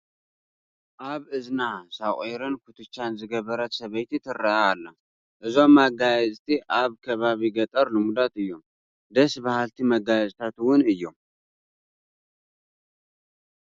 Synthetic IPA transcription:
ʔaβɨznasaʔʼeɾɨnkʰut̪ʰɨt͡ʃːanzɨɡəβəɾət̪səβəjt̪ʰet̪ʰɨɾːəʔaːlːəh | ʔɨzomaɡajɛzʼt̪ʰiʔaβkʰəβaβiɡət̪ʼəɾlɨmud̪at̪ɨjːom | d̪əsbəhalt̪ʰiməɡajɛzʼt̪ʰat̪uwʊnɨjːom

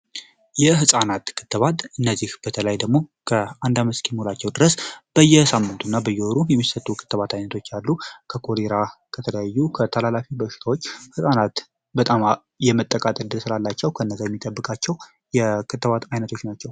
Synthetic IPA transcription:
jɛɦɨsʼanat̪kʰɨ̥t̪ːɨβat̪ʼɨnːəzːihb̥ət̪ʰələjd̪əɡmo̞kʰəand̪aməskʰimholat͡ʃːɛwd̪ɨɾəsb̥əjːɛsamːɨnt̪ʰunːabəjːɛoɾujɛmːisət̪ʼːukʰɨ̥t̪ːəβat̪ajnət̪ʰo̞t͡ʃːalːukʰəkʰo̞ɾeɾakʰət̪ʰələjajːukʰət̪ʰəlalafibəʃɪ̥t̪ʰawo̞t͡ʃːhɨsʼanat̪ | bət̪ʼam | jɛmət̪ʼːəkʼat̪ʼəd̪ɨlsɨlalːat͡ʃːɛwkʰəɨnːəzajɛmːit̪ʼəbːɨkʼat͡ʃːɛw | jɛkʰɨt̪ːəβat̪ajnət̪ʰo̞t͡ʃːnat͡ʃːɛw

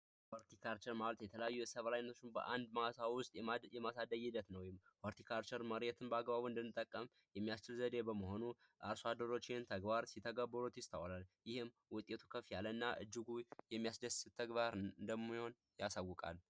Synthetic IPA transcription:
woɾt̪ʰikʰaɾt͡ʃɛɾmaβlət̪jɛt̪ʰələjajːujɛsəβlajnːət̪ot͡ʃːɪnbə̰ʔand̪maasawwʊst̪ʼjɛjɛmasad̪əɡɪd̪ət̪nəwjɪmfoɾt̪ʰikʰaɾt͡ʃɛɾməɾet̪ʰɨnbəaɡbaβuɨnd̪ɨnːɨt̪ʼːəkʼːəm | jɛmːijast͡ʃɪlzəd̪e̞bəməɦo̞nu | ʔaɾsoad̪əɾo̞t͡ʃːɪnt̪ʰəɡbaɾsit̪ʰːəɡəbːəɾut̪jɪst̪ʰə̰wlaljɪhɪm | wʊt̪ʼːe̞t̪ʰukʰəfijalːənːaʔɨ̰d͡ʒːɪɡujɛmːijasd̪əst̪ʰːəɡbaɾɨnd̪əmːiho̞n | jasawːʊkʼa̰l

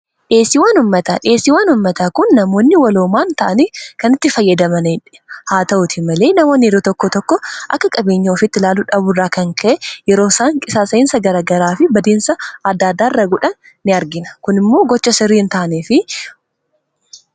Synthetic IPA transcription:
ᶑe̞ːsɪwaːnʊmːɐt̪ɐᶑe̞ːsːɪwaːnʊmːɐt̪akʊnːɐmo̞ːnːɪwɐloːmaːnt̪ɐʔɐnikɐnɪt̪ːɪfɐjːɐd̪ɐmɐnɪᶑɛ̥haːt̪ɐʔʊt̪ʰɪmɐle̞ːnɐmoːnːɪjɛɾoːt̪ɔkːɔt̪ɔkːɔʔɐ̰kːɐkʼɐbe̞ːɲːɐɔfɪt̪ːɪlaːlʊᶑɐbʊrːaːkɐŋkʰɐʔɛjɛɾoːsaːŋkʼɪsaːsɐɪnsɐɡɐɾaːɡɐɾaːfɪbɐd̪iːnsɐɐd̪ːaːd̪ːaːɪrːɐɡʊᶑɐnː | ɪɐɾɡɪnɐ̥kʊnɪmːo̞ːɡɔt͡ʃːɐsɪrːiːnt̪aːneːfɪ

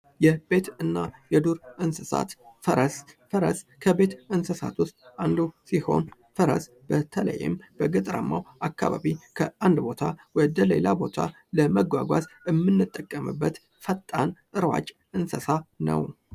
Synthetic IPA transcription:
jɛbe̞t̪ɨnːajɛd̪uɾʔɨnsəsa̰t̪fəɾəsfəɾə̰skʰəbe̞t̪ɨnsəsat̪ʰwʊst̪ʼand̪usiho̞̰n | fəɾə̰s | bət̪ʰələ̰jːɪ̰mb̥əɡət̪ʼɾa̰mːawakːaβaβikʰəand̪bo̞t̪ʰawɔd̪əle̞̰labo̞t̪ʰa | ləməɡʷaɡʷazəmːɨnːɨt̪ʼːəkʼːəmɨbːət̪ | fət̪ʼːant̪ʼɨɾwa̰t͡ʃʼ | ʔɨnsəsanə̰w

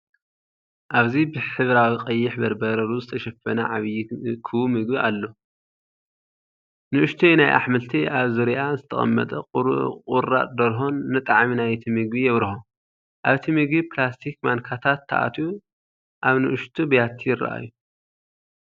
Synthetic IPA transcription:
ʔaβzibɨħɨβɾawiqʼɐjːɪħbɐɾbɐɾɐɾuzɨt̪ʰɐʃɐfɐnɐʕaβjkʰɨwumɨɡbiʔalːo | nɨʔɨʃt̪ʰujnajʔa̰ħmɨlt̪ʰiʔaβzɨɾiʔazɨt̪ʰɐxʼɐ̰mːɐ̰t̪ʼɐqʼɾkʼuɾa̰t̪ʼd̪ɐɾɦonːɨt̪ʼaʕminajt̪ʰimɨɡbijɛβɾho | ʔaβt̪ʰimɨɡbiplast̪ʰikmankʰat̪ʰat̪ʰːa̰ʔa̰t̪ʰju | ʔaβnɨ̰ʔɨʃt̪ʰubɐjat̪ʰːijɪra̰ʔa̰jːu

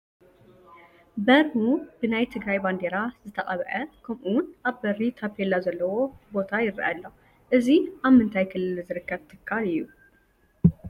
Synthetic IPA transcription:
bɐɾhub̥ɨnajt̪ʰɨɡɾajband̪e̞ɾazɨt̪ʰɐqʼɐβʔɐkʰɐmʔunʔaβbɐɾːit̪ʰapʰelːazɐlːɐwo̞bo̞t̪ʰajɪɾɐ̰ʔalːo | ʔɨziʔaβmɨnt̪ʰajkʰɨlːɨlzɨɾɨkːəβt̪ʰɨkʰːalɨjːu

